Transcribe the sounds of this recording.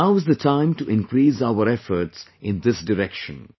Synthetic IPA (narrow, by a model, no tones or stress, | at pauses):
aʊɪzd̪ətʰãɪ̃mʈuʔɪ̃nkɾiːsaʊəɾɛfəɾʈsɪ̃nd̪ɪsɖɪɾɛkʃə̃n